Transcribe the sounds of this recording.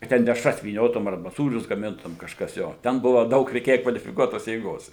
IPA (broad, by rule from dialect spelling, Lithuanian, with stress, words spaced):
kɐ ˈtʲɛn dʲɛʃˈrɐs ʋʲiːˈnʲoːtʊm ɐrˈbɐ ˈsuːrʲʊs ɡɐˈmʲɪntʊm kɐʃˈkɐs ˈjoː ˈtʲɛn ˈbʊʋɐ ˈdɐʊk rʲɛɪˈkʲeːjɛ kʋɐlʲɪfʲɪˈkuɔtoːs jeːˈɡoːs